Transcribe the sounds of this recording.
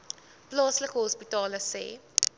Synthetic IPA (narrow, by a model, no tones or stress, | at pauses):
plɑːsləkəɦɔspitɑːləsɛ̰ː